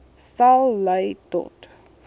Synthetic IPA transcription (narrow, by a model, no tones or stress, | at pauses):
salˠləjtɔ̰t